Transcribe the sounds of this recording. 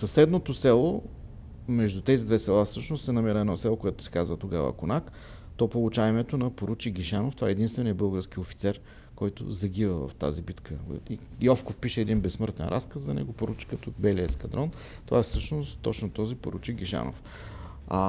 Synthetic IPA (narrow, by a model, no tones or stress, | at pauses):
sɐsɛd̪not̪osɛlˠo | mɛʒd̪ut̪ɛzid̪vɛsɛlˠafsɤʃnʊst̪sɛnɐmɛɾəɛd̪nɔsɛlˠokoɛt̪ʊ̥sɛ̥kazvət̪oɡavə̰kʊnak | t̪ɔpolˠʊt͡ʃaɛmɛt̪onɐpoɾut͡ʃiɡʲiʃanoft̪ovaɛːɛd̪inst̪vɛnijəbɤlˠɡəɾsk̟iofi̥t̪sɛɾ | kɔjt̪ʊ̰zɐɡ̟ivəvɐ̰ft̪a̰zibit̪kʰəiiɔfkofpiʃɛːd̪inbɛsmɤɾt̪ɛ̰nɾʔa̰skəszɐnɛ̰ɡʊpoɾut͡ʃi̥kət̪obɛliɛskɐd̪ɾɔn | t̪ovaɛfsɤʃnost̪ːɔt͡ʃnot̪ɔzipo̰ɾut͡ʃiɡiʃa̰no̰f | a